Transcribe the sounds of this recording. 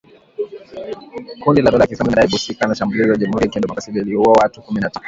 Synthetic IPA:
kundilaɗɔlakisamiɗaiɓusikanaʃambulizijaʄamuhuɾiakɛndɔmɔkasililiuɔwatukuminata

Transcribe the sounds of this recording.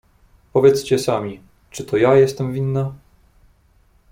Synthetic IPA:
pɔvʲjɛt̪st͡ɕɛsamʲi | t͡ʂɘt̪ʰɔjajɛst̪ɛmvʲinːa

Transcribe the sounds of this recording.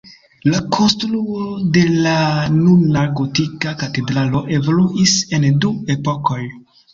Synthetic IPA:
lakʰo̞nstɾuode̞lanunaɾkotikakate̞dɾalo̞ʔe̞voluʔise̞ndue̞po̞ko̞j

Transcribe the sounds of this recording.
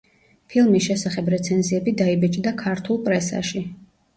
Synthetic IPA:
pʰilˠmisʃɛsaχɛbɾɛt̪sʰɛnziɛbid̪aibɛt͡ʃʼd̪akʰaɾt̪ʰulˠpʼɾɛsa̰ʃi

